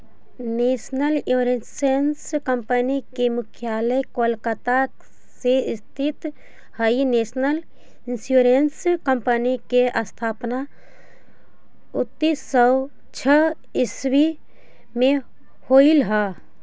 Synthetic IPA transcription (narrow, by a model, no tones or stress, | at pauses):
neːsnəljuɾesenskəmpənikemʊkʰjaːləjkolkət̪a | seist̪ʰit̪ | həinesnəl | insjuɾenskəmpənikeʔəst̪ʰaːpna | ʊt̪ːisəw | t͡ʃʰə | ɪswi | mẽ | hoilɦə